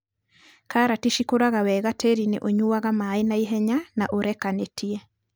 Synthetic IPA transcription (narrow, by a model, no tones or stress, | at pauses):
kaɾatiʃikoɾaɣawɛɣatʰeɾinḛʔoɲuwaɣamaenaiɦɛɲanaʔoɾɛkanetʰiɛ